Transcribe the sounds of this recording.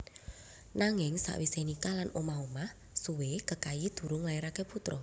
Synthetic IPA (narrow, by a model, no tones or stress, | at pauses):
naŋɪŋsa̰ʔwisehnikalanomaɦomah | suwekəkajid̪̥ṳɾʊŋlaiɾakeput̪ɾɔ